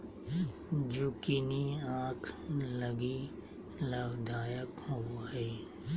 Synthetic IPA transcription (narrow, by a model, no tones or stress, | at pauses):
d͡ʒoːkɪniãːkʰləɡi | ləbd̪ʱaːjəkɦoːɦeː